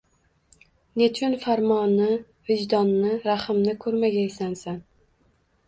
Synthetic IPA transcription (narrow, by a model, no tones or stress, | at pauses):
net͡ʃʰʊnfaɾmɒnːɪ | vɪd͡ʒd̪ɒnːɪɾaχɨmnɪkʰɵɾmaɡʲaɪsansan